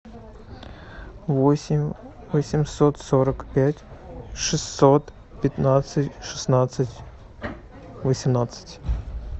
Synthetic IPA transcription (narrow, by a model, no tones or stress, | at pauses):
vosʲɪmʲ | vəsʲɪmʲsot̪soɾəkpʲætʲʂɨsːot̪ | pʲɪt̪nat̪sɨtʲʂɨ̥snat̪sɨtʲ | vəsʲɪmnat̪sɨ̥tʲ